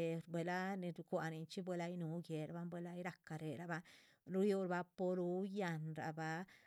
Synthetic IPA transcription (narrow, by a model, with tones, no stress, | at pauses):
bwe˨˧la˦ni˧ɾkʷa˨ni˨nt͡ʃi˦bwe˦la˦jnu˨˦ɡje˨ɾa˨ba˦mbʷwe˦la˦jɾa˧ka˨ɾe˨ɾa˨ba˦ | ɾu˦ju˦ɾa˧ba˦po˧ɾu˦ja˧nɾa̰˨ba˧